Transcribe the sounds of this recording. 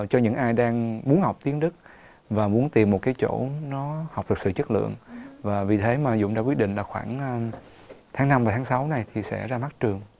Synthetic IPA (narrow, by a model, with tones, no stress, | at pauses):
t͡ɕɔ˧ɲɨ̰˧˥ŋʔaː˧jɗaː˧ŋmu˨˦ənhɦa˨˩wk͡p̚t̪i˨˦ənɗɨ˦˥k̚ | vaː˨˩mu˨˦ənt̪i˨˩mːo˨˩t̚kaː˨˦jt͡ɕo̰˧˥nɔ˨˦ha˨˩wk͡p̚t̪ʰɨ˨˩k̚sɨ̰˧˨t͡ɕə˦˥t̚lɨ̰˧˨əŋvaː˨˩vi˨˩t̪ʰe˨˦maː˨˩zʊ̰˧˥˨ŋ͡mɗaː˧˥kwi˦˥t̚ɗḭ˧˨ŋlaː˨˩xwaː˧˩ŋʔː | t̪ʰaː˨˦ŋːna˧mvaː˨˩t̪ʰaː˨˦ŋsa˨˦wna˨˩jt̪ʰi˨˩sɛ̰˧˥zaː˧ma˦˥t̚t͡ɕɨ˨˩əŋ